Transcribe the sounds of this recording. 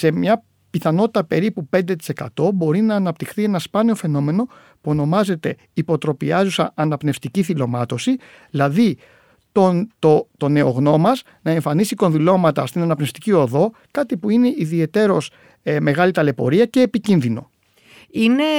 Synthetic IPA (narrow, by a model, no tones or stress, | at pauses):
se̞mɲɐ | piθɐno̞t̪i̥t̪ɐpe̞ɾipupe̞nd̪e̞t̪i̥se̞kɐ̰t̪o̞bo̞ɾinɐːnɐp̚t̪ixθie̞nɐspɐneo̞fe̞no̞me̞no̞ | puo̞no̞mɐze̞t̪e̞ | ipo̞t̪ɾo̞piɐzusɐʔɐnɐpne̞ft̪iciθilo̞mɐt̪o̞si | ðilɐði | t̪ot̪ot̪o̞ne̞o̞ɣno̞mɐz | nɐe̞ɱfɐnisiko̞nðilo̞mɐt̪ɐst̪inɐnɐpne̞ft̪icio̞ðo̞ | kɐt̪ipuine̞ʔiðie̞t̪e̞ɾo̞s | me̞ɣɐlit̪ɐle̞po̞̰ɾiɐce̞ːpicinðino̞̰ | ine